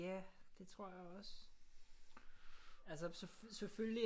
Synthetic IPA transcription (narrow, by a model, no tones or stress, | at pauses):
æd̥e̝t͡sʰʁo̝ɐ̰jɑ̈ɒ̽s | ælsəsesefølli